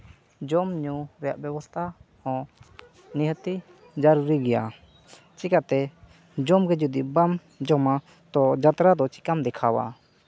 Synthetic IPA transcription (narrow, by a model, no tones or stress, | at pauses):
d͡ʒɔmɲuɾɛjaʔbjɛbɔst̪ʰahɔ̃ | niɦət̪i | d͡ʒaɾuɾiɡɛja̰ | t͡ʃikat̪ɛ | d͡ʒɔmɡɛd͡ʒud̪ibam | d͡ʒɔma | t̪ɔd͡ʒat̪ɾad̪ɔt͡ʃi̥kamd̪ɛkʰawa̰